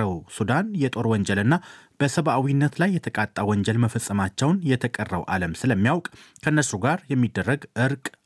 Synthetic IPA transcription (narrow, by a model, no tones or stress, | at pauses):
əwsud̪anjɛt̪ʼo̞ɾwɔɲd͡ʒɛlɨnːab̥əsəβʔawinːət̪lajːɛt̪ʰəkʼat̪ʼːawɔɲd͡ʒɛlməfəsʼːəmat͡ʃːɛwnjɛt̪ʰəkʼərːə̰wʔa̰ləmsɨləmːijawkʼkʰənːəsuɡaɾjɛmːid̪ːərːəɡʔɨɾkʼ